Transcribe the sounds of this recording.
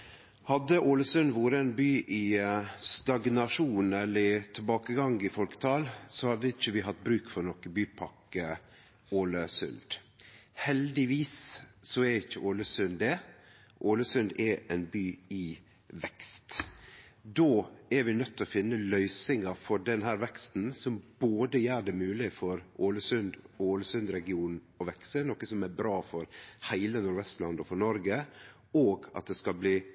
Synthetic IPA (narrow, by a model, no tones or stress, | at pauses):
hɑd̪əʔoːləsʉnʋuːɾəɛnbyːʔɪst̪ɑɡnɑʂuːnɛlːət̪ʰɪlbɑːkəɡɑŋɡɪfɔlkə̥t̪ʰɑːlsɔhɑd̪ːəɪçːəʋɪɦɑt̪ːbɾʉːkfɔɾnɔkəbyːpʰɑkə | oːləsʉ̰nd̪̥hɛld̪ɪʋiːssɔɛɾɪçːəʔoːləsʉnd̪ɛ | ʔoːləsʉnd̪ɛʔɛnbyːɪ | ʋɛkst̪ | d̪oːɛɾʋɪnœt̪ʰːɔfɪnːəlœʏsɪŋɑfɔɖɛnɦæːɾʋɛkst̪n̩sɔmboːd̪əjæːɖɛmʉːlɪfɔɾʔoːləsʉnd̪oːləsʉnd̪ɾɛɡɪuːn | ɔʋɛksənɔkəsɔmɛɾbɾɑːfɔɾhæɪlənʊɾʋɛst̪lɑnd̪ɔfɔɳɔɾɡə | oːɡɑ̰t̪̚d̪ɛskɑlbliː